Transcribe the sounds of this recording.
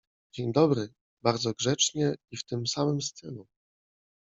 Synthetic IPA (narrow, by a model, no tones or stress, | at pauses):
d͡ʑeɲd̪ɔbɾɘ | baɾd̪zɔɡʐɛt͡ʂɲɛift̪ɘmsamɘmst̪ɘlu